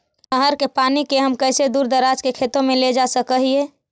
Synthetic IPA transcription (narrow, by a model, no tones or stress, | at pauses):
əɦəɾkepaːnikeɦəmkəɪsed̪uːɾd̪əɾad͡ʒkekʰeːt̪õmẽled͡ʒasəkəɦie